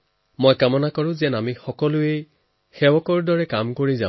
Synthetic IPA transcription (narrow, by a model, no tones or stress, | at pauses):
mojkamɔnakɔɹʊ̃zɛnamixɔkɔlʊe | xɛwɔkɔɹdɔɹɛkamkoɹiza